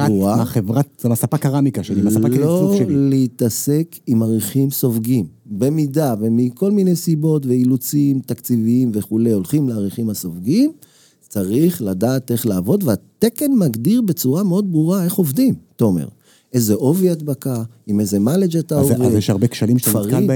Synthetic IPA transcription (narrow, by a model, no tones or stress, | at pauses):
auʁaaχevʁat̪zemasapakaʁamikaʃelimaaaloleit̪ase̞kʰimaʁiχimso̞vɡimbe̞mid̪ave̞miko̞lmine̞jsibo̞tve̞ilut͡simt̪akt͡siviimve̞χule̞jo̞lχimleaʁiχimaso̞vɡim | t͡saʁiχladaːt̪e̞χlaːvo̞d̪veat̪eke̞nmaɡd̪iʁbe̞t͡suʁameo̞d̪̚bʁuʁae̞χo̞vd̪imt̪aomḛʁ | e̞zeʔo̞viad̪bakaimezemaled͡ʒat̪aovezjeʃaʁbekʃalimʃefaʁa